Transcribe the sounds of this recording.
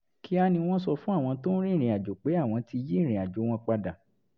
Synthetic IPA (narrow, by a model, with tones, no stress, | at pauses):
ki˦a˦nĩ˧w̃ɔ̃˦sɔ˧fũ˦a˦˨w̃ɔ̃˧to˦n̩˦ɾĩ˦˨ɾ̃ĩ˨a˨d͡ʒo˨k͡pe˨˦a˦˨w̃ɔ̃˧ti˧jĩ˦˨ĩ˨a˨d͡ʒo˨˦w̃ɔ̃˧k͡pa˧da˨